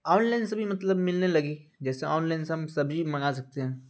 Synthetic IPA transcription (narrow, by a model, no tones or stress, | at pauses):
ɔːnlaɪnsebʱimɐt̪ləbmɪlnelɐɡid͡ʒɛːseɔːnlaːɪnseɦɐmsɐbd͡ʒimɐ̃ɡasɐk̚t̪eɦɛ̃ː